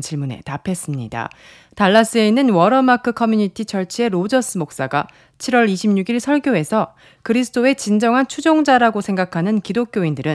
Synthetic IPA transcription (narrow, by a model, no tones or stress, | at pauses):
nt͡ɕiɭmune̞̰tapʰe̞s͈ɯmɲida̰ | taɭːas͈ɯe̞inːɯnwʌɾʌmakʰɯkʰʌmjuɲitʰit͡ɕʌɭt͡ɕʰie̞ɾod͡ʑʌs͈ɯmok̚s͈aɡa | t͡ɕʰiɾwʌɾiɕʰimɲuɡiɭsʰʌɭɡjoe̞sʰʌ | kɯɾisʰɯ̥t͈ʰoe̞t͡ɕind͡ʑʌŋɦant͡ɕʰud͡ʑoŋd͡ʑaɾaɡosʰe̞ŋɡakʰanɯnkidok̚k͈joindɯɾɯ